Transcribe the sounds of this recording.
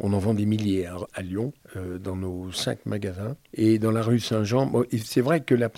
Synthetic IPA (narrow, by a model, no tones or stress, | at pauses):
ɔ̰̃nɑ̃vɑ̃d̪emiljɛʁaljɔ̃ød̪ɑ̃nosɛ̰̃kmaɡazɛ̃ed̪ɑ̃laʁysɛ̃ʒɑ̃bɔ̃ʔesɛvʁɛkəlap